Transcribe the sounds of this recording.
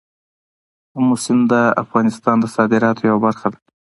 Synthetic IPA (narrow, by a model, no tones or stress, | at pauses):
mːʊsɪmd̪əa̰fɣɑnɪst̪ɑnd̪əsɑd̪ɪɾɑt̪ojawabaɾxad̪ḁ